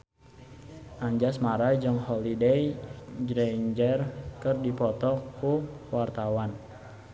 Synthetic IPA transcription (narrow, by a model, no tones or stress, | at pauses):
ʔaɲd͡ʒasmaɾad͡ʒɨŋhɔlidɛjd͡ʒɾɛɲd͡ʒɛrkɨrdipɔt̪ɔkːu | wart̪awan